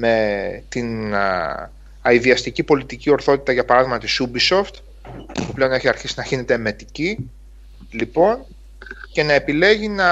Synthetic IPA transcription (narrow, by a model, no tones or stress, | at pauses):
me̞t̪in | ɐiðiɐst̪icipo̞lit̪icio̞ɾθo̞t̪it̪ɐʝɐpɐɾɐðiɣmɐt̪isubiso̞ft̪ | puple̞o̞ne̞çiɐɾçisinɐçinet̪e̞me̞t̪ici | lipo̞n | ce̞nɐe̞pile̞ʝinɐ